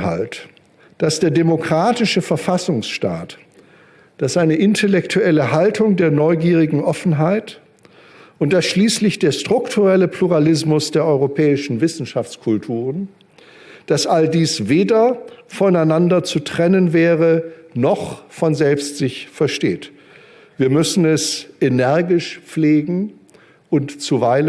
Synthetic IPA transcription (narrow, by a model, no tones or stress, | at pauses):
ha̰lt | d̥asd̥eːɐdemokʁ̥aːtɪʃəfɛɐfasʊŋsʃta̰ːt | d̥asʔaɪnəʔɪntʰɛlɛktʰuɛləɦaltʰʊŋdeːɐnɔʏɡiːʁɪɡŋ̩ʔɔfn̩ɦaɪt | ʔʊntd̥asʃliːslɪçd̥eːɐstʁ̥ʊktʰuʁɛləpl̥uʁalɪsmʊsd̥eːɐʔɔʏʁopʰɛːɪʃn̩vɪsn̩ʃaft͡skʰʊltʰuːʁən | d̥asʔaldiːsveːdɐfɔnaɪnandɐt͡sutʁ̥ɛnənvɛːʁənɔχfɔnzɛlpstz̥ɪçfɛɐʃteːt | v̥iːɐmʏsn̩ɛsʔenɛɐɡɪʃp͡fleːɡŋ̩ | ʔʊntt͡suvaɪlə